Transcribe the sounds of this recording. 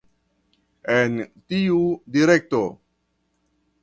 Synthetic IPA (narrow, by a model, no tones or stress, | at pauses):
ent̪iud̪iɾɛk̚t̪o